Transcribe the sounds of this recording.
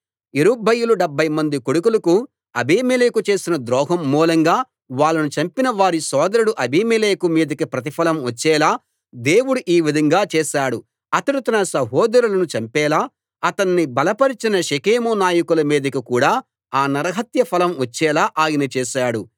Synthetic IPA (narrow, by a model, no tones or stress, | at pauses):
iɾubɐjuluɖɐbʱːɐjmɐnd̪ikoɽukulɐku | ɐbʱiːmeleːkut͡ʃe̞ːsinɐd̪ɾɔːɦɐmːuːlɐŋɡaː | ʋaːɭːɐnut͡ʃɐmpinɐʋaːɾisɔːd̪ɐɾuɽuʔɐbiːmeleːkumiːd̪ɐkipɾɐt̪̬ipʰɐlɐmʋɐt͡ʃːɛːlaː | d̪eːwuɽuʔiːʋid̪ʱɐŋɡaːt͡ʃɛːʃaːɽu | t̪ɐɽut̪ɐnɐsɐɦɔːd̪ɐɾulɐnut͡ʃɐmpɛːlaː | ɐt̪ɐnːibɐlɐpɐɾit͡ʃinɐʃekeːmuːnaːjɐkulɐmiːd̪ɐkikuːɽaː | aːnɐɾɐɦɐt̪jɐpʰɐlɐmʋɐt͡ʃːɛːlaːʔaːjɐnɐt͡ʃɛːʃaːɽu